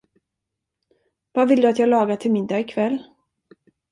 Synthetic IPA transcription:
vavɪld̪ɵat̪jɑːɡlɑːɡat̪ʰɪlmɪnd̪aɪkʰvɛlː

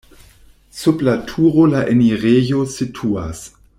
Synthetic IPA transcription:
sublatʰuʁolaʔeniʁejositʰua̰s

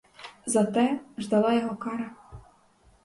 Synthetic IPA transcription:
zɐt̪ɛʒd̪ɐlˠɑjɔɦɔkɑɾɐ

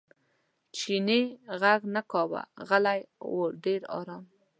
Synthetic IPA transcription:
t͡ʃineɣaɡnakɑwa̰ɣalajwoɾɖeɾɑ̰ɾɑm

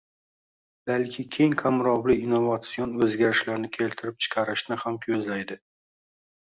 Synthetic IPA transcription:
b̥alkʲʰɪkʲʰe̞jŋkʰamɾɒwlɪːnːovat̪sijonɵzɡʲaɾɪʃlaɾnɪkʲʰe̞lt̪ʰɪɾɪp̚t͡ʃʰɪ̥qʰɑɾɪʃnɪhamkʲʰɵzlajd̪ɪ

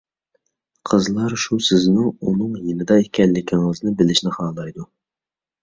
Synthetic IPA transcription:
qʰəzlˠɑɾʃusɪznuunɨŋjinɨd̪ɑekʲʰɛlːɪkʲʰiŋɨznɪbɪlɪʃnɪχɑːlˠɑjd̪u

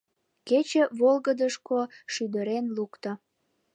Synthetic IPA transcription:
ket͡ɕə̆βolɣəd̪əʃkoʃyd̪əɾenlukt̪o

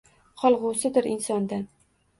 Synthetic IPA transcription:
qʰɒlˠʁʊsɪd̪ɪɾʔɪnsɒnd̪an

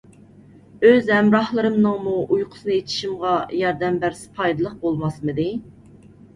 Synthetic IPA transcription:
øzhɛmɾɑhlˠɨɾɨmnɨŋmuʔujqʰʊ̥sɨnɨet̪ʰi̥ʃimʁɑjɑɾd̪ɛmbæɾsɪ̥pʰɑjd̪ɨlˠəq̚bolˠmɑsmɨd̪ɪ

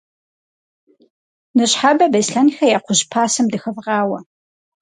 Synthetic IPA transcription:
nɨɕħabɐbɐjsɬɐnxɐjaːqʷʊʑpʰaːsɐmdɨxɐvʁɑːwɐ

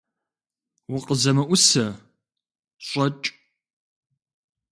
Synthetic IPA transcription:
wʊqʼəzɐmɐʔʷʊsɐ | ɕʷʼɔt͡ʃʼ

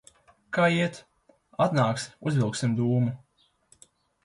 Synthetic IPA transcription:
kaːiɛt̪ | at̪naːksuzvilˠksimd̪uːmu

